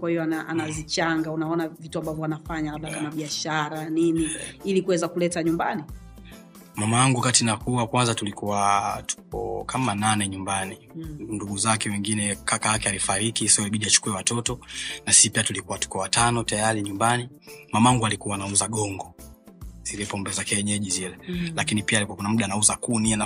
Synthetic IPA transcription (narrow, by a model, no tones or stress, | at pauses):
kwahijɔanaʔanazit͡ʃaŋɡaunaɔnavituambavjɔwanafaɲalaɓɗakamaɓiaʃaɾaniniilikuwɛzakulɛtaɲumbani | mamawaŋɡuakatinakuwakwanzatulikuwatu̥k̚ɔ̰kʰamananɛɲumbaninduɡuzakɛwɛŋɡinɛkakaakɛalifaɾikisaɔaliɓiɗiat͡ʃu̥kuɛwatɔtɔnasi̥sipiatulikuwatu̥kɔwatanɔtajaɾiɲumbani | mamawaŋɡualikuwaːnauzaɠɔŋɡɔ | z̥ilɛpɔmbɛzakɛɲɛʄizilɛlakinipialikuakɔnamuɗanauzakuniana